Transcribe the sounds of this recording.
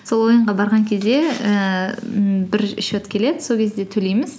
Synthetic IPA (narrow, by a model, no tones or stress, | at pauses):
so̞lˠwo̞jəɴʁɑbɑɾʁɑŋkʲʰe̞zd̪e̞ə | bɪɾɪʃot̪kʲʰe̞le̞d̪ɪ̥so̞lkʲʰe̞zd̪e̞t̪ʰɵlejmɪz